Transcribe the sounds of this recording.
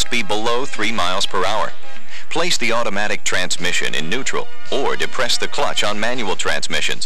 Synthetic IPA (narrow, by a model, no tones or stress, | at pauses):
ʌst̚b̥ibəloʊθɹimaɪlˠz̥pʰə˞aʊə̰˞ | pʰl̥eɪsðiɔɾəmæɾɨk̚tʰɹ̥æ̃nzmɪʃɨ̰̃nɨ̰̃nːʉt͡ʃɹ̥̰l̩ˠ | ə˞dɨpʰɹ̥ɛsðɨkʰl̥ʌ̰t͡ʃn̩mæ̃njul̩ˠtʰɹ̥æ̰̃nzmɪʃɨ̰̃nz̥